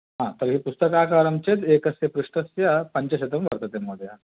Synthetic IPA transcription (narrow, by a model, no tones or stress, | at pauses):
ɦãt̪əɾɦiːpust̪əkaːkaɾɐmt͡ɕed̪eːkɐsjɐpɾuʂʈɐsjapɐɲt͡ɕaɕet̪ɐmʋɐ̰ɾt̪at̪emːod̪ʱja